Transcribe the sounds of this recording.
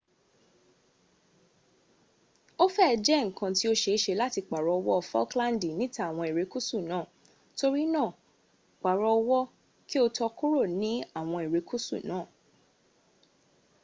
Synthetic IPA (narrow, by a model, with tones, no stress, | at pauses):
o˦fɛ˦ɛ˧d͡ʒɛ˦ŋ̩˨kã˧ti˦o˦ʃe˧˦ʃe˧la˦ti˧k͡pa˨ɾɔ˨˧wɔ˦˨fɔ̰˦klã˦n˦di˨nĩ˦ta˦˨w̃ɔ̃˧e˨ɾe˨˧ku˦su˦˨nãː˦˨ | to˧ɾi˦nãː˦˨ | k͡pa˨ɾɔ˧wɔ˦ | ki˦o˧tɔ˧ku˦ɾo˦˨nĩ˨˦a˦˨w̃ɔ̃˧e˨ɾe˨˧ku˦sṵ˦˨nãː˨˦˨